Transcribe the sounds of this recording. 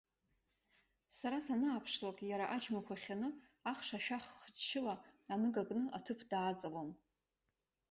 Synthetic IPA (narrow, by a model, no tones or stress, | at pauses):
saɾasanaːpʰʂlakʼjaɾaʔad͡ʒmakʷʰaχʲanɨ | aχʂaʃᶣaχːt͡ʃʰɪlaːnɨɡaɡʼnɨʔatʰɨpʰdaːt͡sʼalon